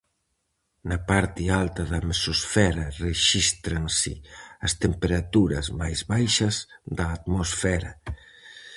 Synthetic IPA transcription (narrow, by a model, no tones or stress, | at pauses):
nɐpaɾt̪ɪalt̪ɐðɐmesosfɛɾɐreʃist̪ɾansɪ̰ɐst̪empeɾat̪uɾɐ̰zmajzβajʃɐzðɐːt̪mosfɛɾɐ